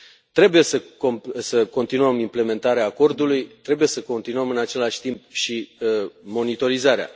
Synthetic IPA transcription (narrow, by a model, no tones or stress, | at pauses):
t̪ɾe̞buje̞səkosəko̞nt̪inuəmimple̞me̞nt̪aɾeaːko̞rd̪ulujt̪ɾe̞buje̞səko̞nt̪inuəmɨnat͡ʃe̞laʃʲt̪impʃi | mo̞nit̪o̞ɾizaɾea̰